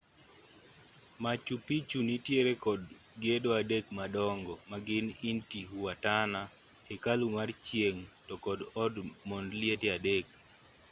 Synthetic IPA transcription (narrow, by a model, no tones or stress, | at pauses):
mat͡ʃupit͡ʃunitjeɾekɔd | ɡedoadekmadɔŋɡɔmaɡɪnintiɦuwatana | ekalumart͡ʃjeŋtɔkɔdɔdmɔndlietiadek̚